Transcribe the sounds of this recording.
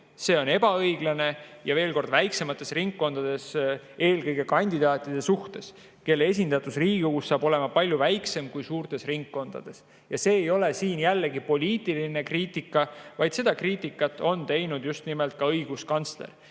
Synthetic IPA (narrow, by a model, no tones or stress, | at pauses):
se̞ːo̞ne̞bɑɤjɡlɑne̞jɑve̞ːlko̞rd̪væjkse̞mɑt̪ːˑe̞sriŋkːo̞nd̪̥ɑd̪̥e̞se̞ːlkɤjɡ̥e̞kɑnʲd̪id̪ɑːt̪ʲːˑid̪̥e̞suht̪e̞s | ke̞lːee̞s̬ʲind̪̥ɑt̪ːˑusriːɡ̥ukusːɑːbo̞le̞mɑpɑlʲjuvæjkse̞mkujsuːrt̪e̞sriŋkːo̞nd̪̥ɑ̰d̪̥e̞s | jɑse̞ːjo̞le̞siːnjælːeɡipo̞lʲiːt̪ːˑiline̞kriːt̪ˑikːˑɑvɑjd̪̥se̞d̪̥ɑkriːt̪ikːˑɑt̪ːˑo̞nt̪e̞jnud̪̥just̪nimelt̪̚ˑkɑɤjɡ̥uskɑnt̪sle̞̰r